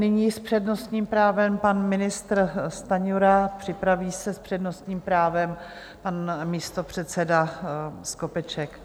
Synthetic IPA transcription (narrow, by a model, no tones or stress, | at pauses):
nɪɲiːspr̝̥ɛdno̞st̪ɲiːmpɾaːvɛmpanmɪnɪst̪ɾst̪aɲuɾapr̥ɪpɾaviːsɛspr̥ɛdno̞st̪ɲiːmpɾaːvɛm | panmiːst̪o̞pr̝̥ɛt̪sɛdaskopɛt͡ʃɛk